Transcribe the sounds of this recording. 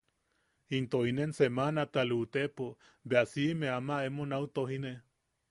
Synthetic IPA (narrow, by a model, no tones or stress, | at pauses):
int̪oinensemanat̪alut̪epo | beasimeamaemonawt̪oɦine